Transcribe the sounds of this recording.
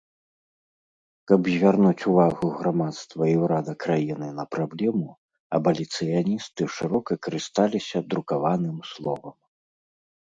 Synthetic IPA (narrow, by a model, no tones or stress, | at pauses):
kɐbzʲvʲarnut͡sʲuvaɣuɣɾamat̪st̪vɐiwɾad̪ɐkɾajinɨnɐpɾablʲɛmu | ɐbɐlʲit̪sɨjanʲist̪ɨʂɨɾɔkɐkɐɾɨst̪alʲisʲɐd̪ɾukavanɨmslˠɔvɐm